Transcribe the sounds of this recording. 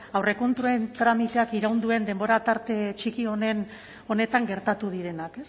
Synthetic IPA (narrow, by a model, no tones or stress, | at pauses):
awre̞ko̞nt̪ɾuent̪ɾamit̪e̞akiɾawnd̪ue̞nd̪e̞mbo̞ɾat̪aɾt̪e̞t͡ʃikio̞nen | o̞ne̞t̪aŋɡe̞ɾt̪at̪uð̞iɾe̞nake̞s